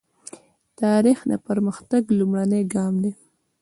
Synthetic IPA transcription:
t̪ɑɾixna̰pəɾməxt̪aɡlumɽanəjɡɑmd̪e

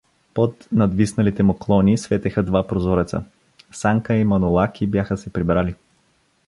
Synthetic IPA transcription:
pot̪nɐd̪visnɐlit̪ɛmoklˠɔnisvɛt̪ɛxəd̪vapɾozɔɾɛt̪sə̰ | saŋkəimɐnʊlˠakʰibjaxəsɛpɾibɾali

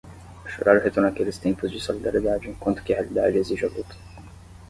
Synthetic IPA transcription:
aʃo̰ɾaɾʊɦet̪oɾnakelɪst̪ẽmpʊzd͡ʒisolid̪aɾied̪ad͡ʒɪẽkwɐ̃nt̪ʊ̥kɪhealid̪a̰d͡ʒɪeziʒɪalut̪ʊ̥

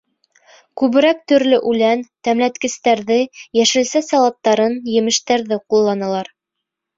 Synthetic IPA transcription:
kʉβɘ̆ɾæk̚t̪ɵ̆ɾlɵʔʉlænt̪æmlæt̪kɘ̆st̪æɾðɘjæʃɘ̆lsæsɑlˠɑt̪ːɑɾɤnjɘ̆mɘ̆ʃt̪æɾðɘqulˠːɑnɤ̆lˠɑɾ

